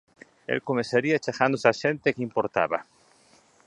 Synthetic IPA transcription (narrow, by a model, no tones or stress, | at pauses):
ḛlkomeseɾiat͡ʃaxand̪osaʃent̪ekimpoɾt̪a̰βa